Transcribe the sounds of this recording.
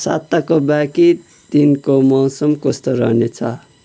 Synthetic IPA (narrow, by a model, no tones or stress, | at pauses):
sa̰t̪ːakobaki | t̪inkomʌwsʌmkʌst̪ʌɾʌ̰ɦnet͡sʰʌ̰